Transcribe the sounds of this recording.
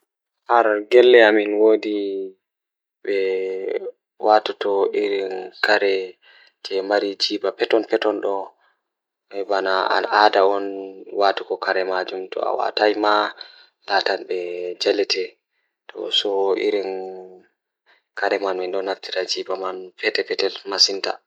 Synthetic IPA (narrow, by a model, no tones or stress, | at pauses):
haɾɡɛlːɛaminwodi | ɓɛ | watatɔʔiɾinkʰaɾɛ | d͡ʒɛmaɾid͡ʒiːbapɛtɔnpɛtɔnɗɔ | ɓɛbanaa̰adaɔnwatukɔkaɾɛmad͡ʒumtɔ̰a̰wa̰tajma | latanɓɛd͡ʒalɛtɛ | tʰɔ̰sɔḭɾin | kaɾɛmanminɗɔnaftiɾad͡ʒiːbamanfɛtɛpɛtɛlmasinta̰